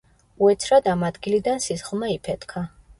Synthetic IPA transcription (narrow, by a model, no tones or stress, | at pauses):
uɛt̪sʰɾad̪amad̪ɡilid̪ansisχlˠmaipʰɛt̪ʰkʰa